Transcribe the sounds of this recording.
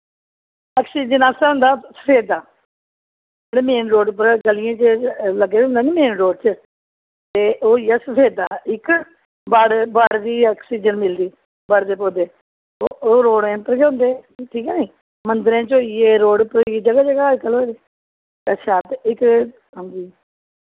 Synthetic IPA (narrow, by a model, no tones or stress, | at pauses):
aːksiːd͡ʒənaːsaːɦʊ̃ːnd̪aːsə̥pʰeːd̪aː | d͡ʒeːɽeːmeːnɾoːɖpəɾɡəlɪjãːt͡ʃələɡeːɦʊ̃nd̪aːneːmeːnɾoːɖt͡ʃə | t̪eːʔoːɪjaːsəpʰeːd̪aːɪk | baɽbaɽd̪iːaːksiːd͡ʒənmɪld̪iː | bəɽd̪eːpoːd̪eː | ooːɾoːɽẽːpəɾkeɦõːnd̪eːʈʰiːkɛːniː | mənd̪əɾẽːt͡ʃoːieːɾoːɽpəɾid͡ʒəɡaːd͡ʒəɡaːkəlod̪eː | t̪əʃʰaːt̪ɪk | ʊ̃nd̪iː